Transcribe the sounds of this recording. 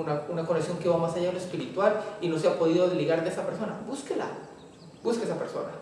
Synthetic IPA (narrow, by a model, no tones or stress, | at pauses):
naunakoneksjo̞ŋkeβamasajaðenloespiɾit̪walino̞s̬eapo̞ðiðo̞ðeliɣaɾðe̞esapeɾso̞na̰buskela̰ | buskeesape̞ɾso̞̰na